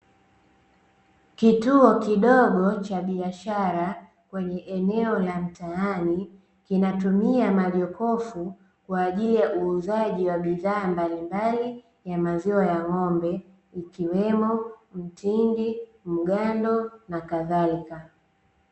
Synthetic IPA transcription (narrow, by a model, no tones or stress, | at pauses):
kituɔkiɗɔɠɔt͡ʃaɓiaʃaɾa | kwɛɲɛʔɛnɛɔlam̩taani | kinatumiamaʄɔkɔfu | kwaːʄilijaʔuːzaʄiwaɓiðaːmbalimbali | jamaziɔjaŋɔmbɛ | ikiwɛmɔm̩tindim̩ɠandɔnakaðalika